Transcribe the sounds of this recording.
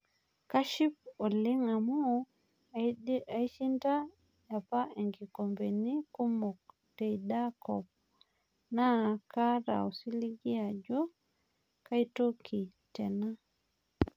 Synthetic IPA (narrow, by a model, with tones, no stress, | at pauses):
ka˦ʃi˦p̚o˨li˦ŋa˨mɔ˦ | a˨i˦t͡ʃi˦nda˦ | ja˨pa˦e˨ŋɡi˨ko˨mbe˨ni˦ku˦mɔ˨k̚ | te˨jda˦kɔ̰p̚ | na˦ka˦ɾa̰˨o˨si˦liɡi˦a˨d͡ʒɔ˦ | ka˦ito˦kʰi˨ | tɛ˨na˦